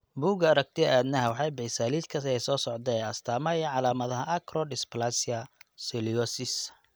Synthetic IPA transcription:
buːɡɐɐɾɐɡ̚t̪ʰɪʔaːd̪nɐɦɐwɑħɑjbɛjsaːliːd̪kʰɐɛjsɔːsɔʕd̪ɛɛɐst̪ʰaːmɐʕɑlaːmɐðɐɦɐʔɐkʰɾɔdɪsplasɪɐsɛliɔsɪs

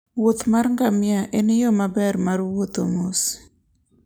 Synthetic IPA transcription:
wot̪marŋɡamjaʔenjomabɛrmarwot̪omos

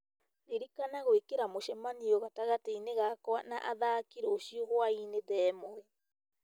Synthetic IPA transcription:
ɾeɾikanaɣoekeɾamoʃɛmaniɔɣataɣateineɣakwana̰ʔaðakiɾoʃioɣwaineðɛmoɛ

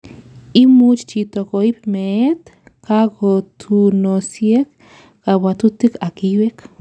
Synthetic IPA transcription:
imut͡ʃt͡ʃit̪okoibmeet̪ | kaɡot̪ʰunosjek | kawat̪ut̪ikakiwek

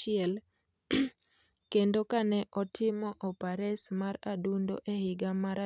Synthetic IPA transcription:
ɪɛl | kendokanɛʔɔtʰɪmɔʔɔpaɾɛsmaɾadundo̰ʔehɪɡamaɾa

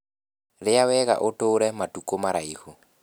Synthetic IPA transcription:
ɾɪawɛɣa̰ʔotoːɾɛmatukomaɾaiho

